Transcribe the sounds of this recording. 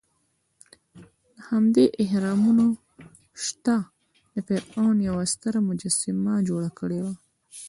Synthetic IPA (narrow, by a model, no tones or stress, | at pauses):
d̪əhamd̪eʔɪhɾɑmuno | ʃt̪a | d̪əpeɾɑnjawast̪əɾamʊd͡ʒasɪmad͡ʒoɽakəɽewa